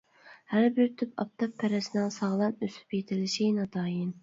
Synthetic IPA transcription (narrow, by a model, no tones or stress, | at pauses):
hæɾbɪɾt̪ʰypɑ̰p̚t̪ʰɑpʰːɛɾɛsɪnɪŋsɑʁlˠɑnøsy̥pjet̪ʰɪlɪʃinɑt̪ʰɑːjin